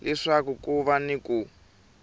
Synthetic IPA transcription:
lɛʂakukuβaniku

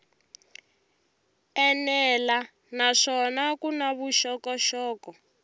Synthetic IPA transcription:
ɛnɛla | naʂɔnakunaβuʃɔkɔʃɔːkɔ

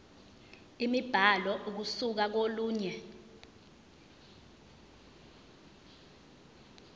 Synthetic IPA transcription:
imib̥ʱalɔʔuk̬usuk̬ak̬oluːɲɛ

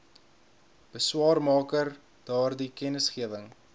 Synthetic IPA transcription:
b̥əswɑːrmɑːkər | d̥ɑːrdikɛnəsχiəvəŋ

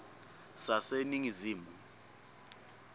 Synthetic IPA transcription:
saseniŋiziːmu

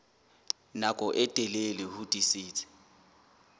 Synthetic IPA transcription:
nakʼɔʔɛtʼɛlelɪhʊtʼisiːtʰʼi̥

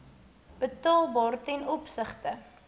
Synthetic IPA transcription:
b̥ətɑːlˠbɑːrtɛnɔpsəχtə

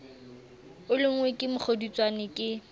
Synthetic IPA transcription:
ʊlɪŋ̩wekʼɪmʊk͡xʰodit͡sʼwanɪkʼɪ

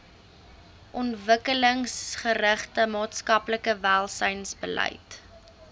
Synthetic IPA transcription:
ʔɔntvəkələŋsχəɾəχtəmɑːtskɐpləkəvælˠsəjnsbəlɛ̰jt

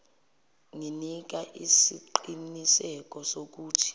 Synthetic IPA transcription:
ŋinik̬aʔisiǃinisɛk̬ʼɔsok̬uːtʰi̥

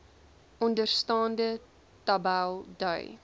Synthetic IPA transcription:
ɔndərstɑːndə | tɐbælˠdœj

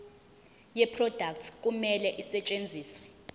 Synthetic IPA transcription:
jɛpʰrɔd̥ʱak̚tʰk̬ʼumɛlɛʔisɛt͡ʃʼend͡zʱiːswɛ

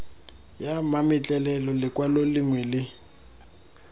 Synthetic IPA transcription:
jamamɪt͡ɬʼɛlɛlɔlɪkʼwalolɪŋwɛlɪ

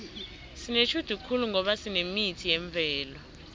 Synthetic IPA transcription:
sinet͡ʃʰud̥ʱukʰuluŋʱɔɓasinemitʰijɛɱb̪vɛːlɔ

